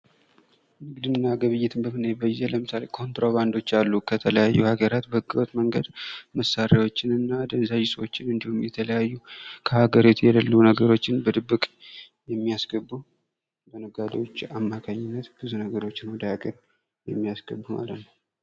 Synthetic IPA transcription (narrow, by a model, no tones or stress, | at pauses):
mɨɡd̪ɨnːaɡəβɨjːɪt̪ʰɨnbəmɨnajbəzeləmɨsale̞kʰo̞nt̪ɾoβand̪o̞t͡ʃːalːukʰət̪ʰələjajːṵhaɡəɾat̪bəhɨkʼːɨwot̪məŋɡəd̪məsːaɾawo̞t͡ʃːɪnɨnːad̪ənzaʒɪsʼo̞t͡ʃːɪnɨnd̪ihumjɛt̪ʰələjajːukʰəhaɡəɾit̪ʰjɛləlːunəɡəɾo̞t͡ʃːɪnbəd̪ɨbːɨkʼ | jɛmːiasɡ̥əbːu | bənəɡad̪ewo̞t͡ʃːamːakʰaɲːɪnːət̪b̥ɨzunəɡəɾo̞t͡ʃːɪnwd̪aakʼəɾ | jɛmːijasɡəbːuma̰lət̪nəw